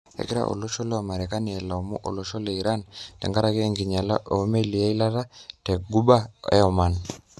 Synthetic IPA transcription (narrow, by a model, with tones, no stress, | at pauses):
ḛ˨ki˦ɾa̰ʔo̰˨lo˦ʃɔ˦lɛ˦wa˨ma˨ɾɛ˨ka˦ni˨ɛ˨la˨mṵ˦ʔo̰˨lo˨ʃɔ˦lɛ˨i˨ɾa˦ntɛ̰˨ŋɡa˦ɾa˨kɛː˦˨ŋɡi˨ɲa˨la̰˦ʔo˨˦me˦li˨a˦i˦la˦ɾa˦tɛ˨ɡu˦ba˦ɛ̰˦ɔma˨n